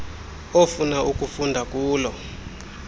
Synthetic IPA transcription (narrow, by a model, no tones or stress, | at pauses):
ofunaʔuk̬ʼufundʱak̬ʼuːlɔ